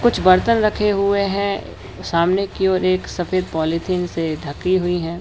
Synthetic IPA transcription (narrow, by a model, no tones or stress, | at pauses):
kʊt͡ʃʰbɐɾt̪ənɾɐkʰeɦʊeɦɛ̃ | saːmnekiɔːɾeːksɐfeːd̪̚pɔːlit̪ʰiːnsed̪ʱɐkːiɦʊiɦɛ̃ː